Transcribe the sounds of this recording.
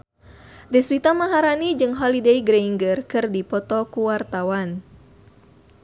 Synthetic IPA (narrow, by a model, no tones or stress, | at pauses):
dɛswit̪amaɦaɾanid͡ʒɨŋɦɔlidejɡɾeiŋɡərkɨrdipɔt̪ɔkuwart̪awan